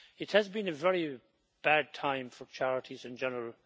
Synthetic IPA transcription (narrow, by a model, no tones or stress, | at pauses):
ɪt̚hɨzbĩnɨvɛɹi | b̥æd̚tʰãɪ̃ɱfə˞t͡ʃʰæɹəɾʰizɨ̃nd͡ʒɛnəɹəlˠ